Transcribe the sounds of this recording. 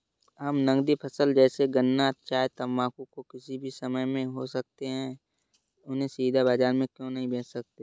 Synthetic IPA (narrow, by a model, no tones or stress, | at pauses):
ɦɐmnɐ̃ŋɡd̪ipʰɐsəld͡ʒɛːseɡənːat̪ʃaːjt̪ɐmːaːkũkokɪsibʱisɐməjmẽɦosɐk̚t̪eɦɛ̃ | ʊnɦẽsiːd̪abaːd͡ʒaːɾmẽkjõnɐɦĩbʱeːtsɐk̚t̪e